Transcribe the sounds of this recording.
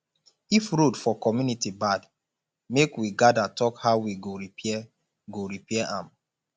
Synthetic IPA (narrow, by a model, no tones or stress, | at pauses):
ifɹodfɔkɔmjunitibad | mekwiɡadatɔkhaʊwiɡoɹiɛ | ɡoɹipɛɛʔãm